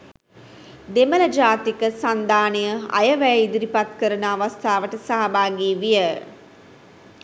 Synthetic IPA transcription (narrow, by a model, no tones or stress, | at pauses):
d̪emələd͡ʒaːt̪ikəsand̪aːnijəa̰jəʋæjəid̪iɾipat̪kəɾənəaʋast̪ʰaːʋəʈəsaɦabaːɡiːʋijə